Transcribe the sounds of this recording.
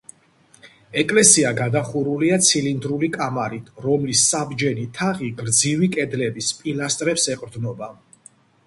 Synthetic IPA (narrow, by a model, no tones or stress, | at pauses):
ɛkʼlɛsiaɡad̪aχuɾuliat̪sʰilind̪ɾulikʼamaɾit̪ʰɾɔmlisːabd͡ʒɛnit̪ʰaʁiɡɾd̪zivikʼɛd̪lɛbispʼilast̪ʼɾɛpsɛqʼɾd̪nɔba